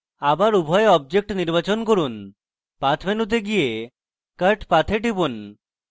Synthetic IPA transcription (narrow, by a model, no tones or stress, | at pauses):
abaɾubʱɔeɔb̚d͡ʑek̚ʈniɾbat͡ɕonkoɾun | pat̪ʰmenut̪̬eɡije | kəɾʈpat̪ʰeʈibun